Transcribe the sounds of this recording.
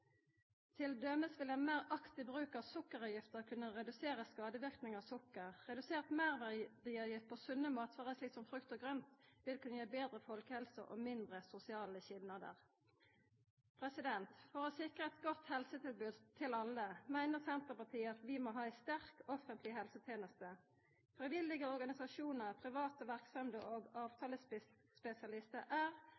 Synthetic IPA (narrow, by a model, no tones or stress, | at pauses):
t̪ʰɪld̪œməsʋɪlɛnmæːʁɑkt̪ɪbʁʉːkɑʋsʊkːəʁɑjɪft̪əʁkʰʉnːəʁɛd̪ʉseːʁəskɑːd̪əʋɪʁknɪŋɑʋsʊkːəʁʁɛd̪ʉseːʁt̪mæːʁʋæd̪iːɑjɪft̪̚pʰoːsʉnəmɑːt̪ʰʋɑːʁəsliːksɔmfʁʉkt̪ɔɡʁœnt̪ʋɪlkʰʉnəjeːbeːd̪ʁəfɔlkəhɛlsə̰ʔo̰ːmɪnd̪ʁəsʊsɪɑːləçɪlnɑd̪ə̰ʁ | pʰʁɛsɪd̪ɛnt̪fɔʁɔsɪkʁəɛt̪ɡɔt̪hɛlsət̪ʰɪlbʉd̪t̪ʰɪlɑləmæɪnəʁsɛnt̪ʁəpɑʁt̪ʰiːəɑt̪ʋɪmoːɦɑːæɪst̪æʁkɔfənt̪lɪɦɛlsət̪ʰjeːnəst̪ə | fʁɪʋɪlːɪɡəɔʁɡɑnɪsɑʃuːnəʁpʰʁɪʋɑːt̪əʋæʁksɑmd̪əʔoːɡɑːʋt̪ʰɑːləs | spɛsɪɑlɪst̪əʔæːʁ